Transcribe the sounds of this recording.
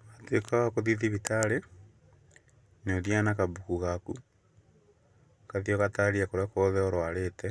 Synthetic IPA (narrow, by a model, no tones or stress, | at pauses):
atwekaɣakoðiðiβitʰaɾe | noðianakaβukuɣaku | kaðioɣataɾiakoɾakoðɛɔɾwaɾetɛ